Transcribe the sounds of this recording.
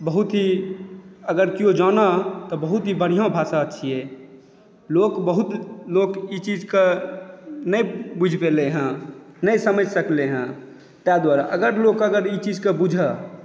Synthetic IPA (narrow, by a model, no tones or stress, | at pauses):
bəɦut̪ɦi | əɡəɾkijod͡ʒaːnat̪ɔbəɦut̪ɦibəɽ̤ijãbʱaːsaəʃʰie | loːkbəɦut̪loːkit͡ʃid͡ʒke | nəibud͡ʒʱpeleɦɛ̃nəisəməd͡ʒʱsəkleɦɛ̃ | t̪jad̪waɾa̰ʔəɡəɾloːkəɡəɾit͡ʃid͡ʒkebud͡ʒʱə